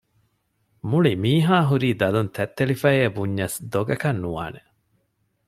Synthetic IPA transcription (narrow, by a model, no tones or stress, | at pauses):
muɭimiːɦaːɦuɾiːd̪ɐlunt̪ʰæt̪ːelifɐeːbuɲːɐsd̪oɡɐkɐnːuʋa̰ːne